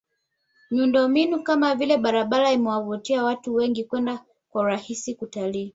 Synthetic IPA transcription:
miundɔmbinukamavilɛɓaɾaɓalaimɛwavutiawatuwɛŋɡikwɛnda | kwauɾahisikutaliː

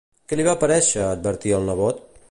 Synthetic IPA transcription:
kəliβapəɾɛʃəːd̪̚bəɾt̪iəlˠnəβɔt̪

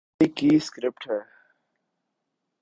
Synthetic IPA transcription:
ikiːskɾɪp̚ʈʰɦɛ

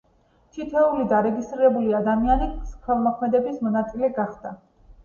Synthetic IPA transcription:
t̪ʰit̪ʰɛulid̪aɾɛɡist̪ʼɾiɾɛbuliad̪amianiχʰwɛlˠmɔkʰmɛd̪ɛbismɔnat̪sʼilɛɡaχd̪̥a

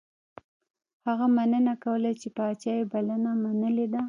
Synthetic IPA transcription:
haɣamanənakawəlat͡ʃepəat͡ʃɑjebalanamanəled̪a

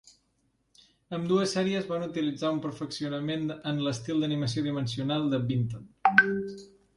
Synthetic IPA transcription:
əmd̪uəsɛɾiəzβanut̪ilid͡zaumpəɾfəksiunəmenənləst̪ilˠd̪əniməsioðimənsiunalˠd̪əbint̪on

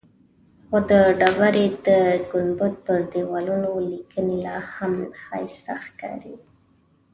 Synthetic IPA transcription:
xod̪əɖawaɾed̪əɡʊnbʊt̪̚pəɾd̪ewɑlunolikənelɑhamxɑ̰jst̪axkɑ̰ɾi

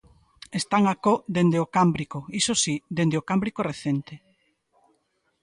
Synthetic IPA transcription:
est̪aŋakod̪end̪eokambɾikoisosid̪end̪eokambɾikoreθent̪e

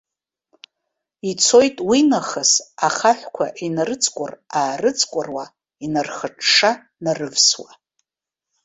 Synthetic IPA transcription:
it͡sʰo̞jtʼwinaχəsaχaħʷkʷʰa̰ʔinarɨt͡sʼkʷʼʊraːrɨt͡sʼkʷʼʊrwa | inarχəʈ͡ʂʰʂa | narɨvswa

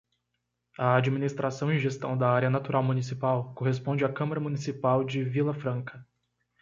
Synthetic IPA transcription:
ɐad͡ʒiminist̪ɾasɐ̃w̃ɪ̃ʒest̪ɐ̰̃w̃d̪ɐaɾjɐnat̪uɾʔawmunisipawkoɦespõd͡ʒɪakɐ̃maɾɐmunisipawd͡ʒɪvilɐfɾɐ̃kɐ

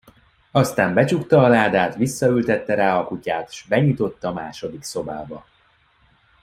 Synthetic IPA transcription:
ɒst̪aːmbɛt͡ʃukt̪ɒːlaːd̪aːt̪ʋisːɒylt̪ɛt̪ːɛɾaːɒkucaːt̪ʃbɛɲit̪o̞t̪ːɒmaːʃo̞d̪ikso̞baːbɒ

